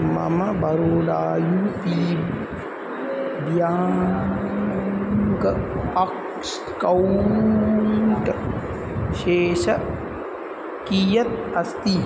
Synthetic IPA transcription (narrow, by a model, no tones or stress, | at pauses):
mɐ̰mɐbɐɾoːlaːjut̪iːb | d̪jaː | ɡɐɐk | s | kɐw | ɳʈ | ʃeːʃɐ | kijɐt̪̚ɐst̪i